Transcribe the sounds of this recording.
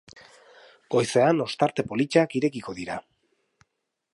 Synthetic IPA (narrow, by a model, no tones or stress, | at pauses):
ɡ̥o̞jse̞ano̞st̪aɾt̪e̞po̞lit͡ʃakiɾe̞kiko̞ðiɾa